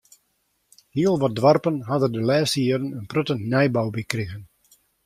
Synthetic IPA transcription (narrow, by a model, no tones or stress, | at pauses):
hiəlˠʋɔt̚dʋarpənɦadəndəlɛːstiːəɾənənprøtəntnɛjbawbikrɪɣən